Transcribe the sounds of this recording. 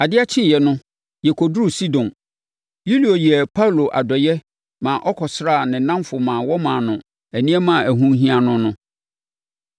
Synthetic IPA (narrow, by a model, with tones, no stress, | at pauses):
a˨dɪ˦a˦t͡ɕʰɪ̃˦˨jɛ˨nʊ̃˦ | jɛ˨kʰo˨dɾu˦˨si˦dɔ̃˨n | ju˦li˨o˨ji˨ɛ˨pʰa˦wlo˨ʔa̰˨dɔ˨jɛ˦ | mã˨ʔɔ˦kʰɔ˨sɾa˦˨nɪ̃˨nã˦mfʊ˨mãː˨wɔ˦mãː˨nʊ̃˨ | æ˨nĩ˦ɛ˦mã˦˨æ˨ɦũ˦ɦĩ˦a˨nʊ̃˦nʊ̃˦